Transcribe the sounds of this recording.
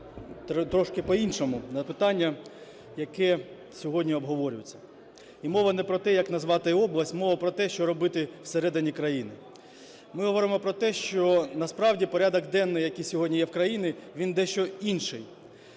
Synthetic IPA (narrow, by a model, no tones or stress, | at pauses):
t̪ɾɔʃkɪpɔinʃɔmʊnɐpɪt̪ɑnʲːɐ | jɐkɛ | sʲɔɦɔdʲnʲiɔbɦɔʋɔɾʲʊjɪt͡sʲːɐ̥ | imɔʋɐnɛpɾɔt̪ɛjɐknɐzʋɑt̪ɪɔblˠɐsʲtʲmɔʋɐpɾɔt̪ɛʃt͡ʃɔɾɔbɪt̪ɪw̥seɾɛd̪ɪnʲikɾɐjinɪ | mɪɦɔʋɔɾɪmɔpɾɔt̪ɛʃt͡ʃɔnɐspɾɑwdʲipɔɾʲɑd̪ɔɡd̪ɛnːɪjɐkijsʲɔɦɔdʲnʲijɛwkɾɐjinɪʋʲind̪ɛʃt͡ʃɔinʃɪj